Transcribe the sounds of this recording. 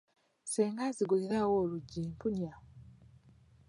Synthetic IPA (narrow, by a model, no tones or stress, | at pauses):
seːŋɡaziɡuliɾawoːluɟːiːmpuɲa